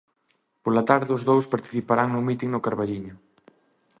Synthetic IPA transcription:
polat̪aɾðɪʊzðowspaɾt̪i̥θipaɾaŋnʊmit̪iŋnʊkaɾβaʎiɲʊ

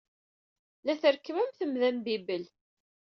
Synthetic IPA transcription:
læθəɾkːəmæmθəmðæmbibəl

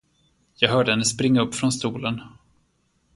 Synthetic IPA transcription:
jɑːɡɦœːɖəhɛnːəspɾɪŋːaɵpːfɾɔnst̪uːlən

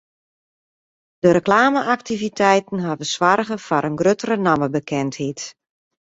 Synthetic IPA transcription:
d̥əɾəklaːməʔak̚tivitʰɛjtn̩ɦavəsʋarɣəfaɾənɡrøtərənaməbəkʰɛnthit

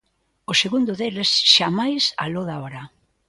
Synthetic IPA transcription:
oseɣund̪ʊðelesʃamajsa̰loðaɔɾa

